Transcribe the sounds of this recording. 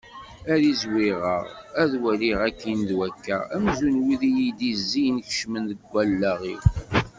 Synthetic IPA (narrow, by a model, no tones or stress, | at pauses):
æðizwiʁə̰ʁæðwəɾiʁækːinðwækːæ̰æmzunwiðijid̪izːijnç̥ʃmənðəɡʷːælːæʁḭw